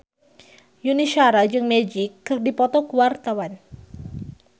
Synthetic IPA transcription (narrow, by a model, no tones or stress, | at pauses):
juniʃaɾad͡ʒɨŋmɛd͡ʒɪkːɨrdipɔt̪ɔkuwart̪awan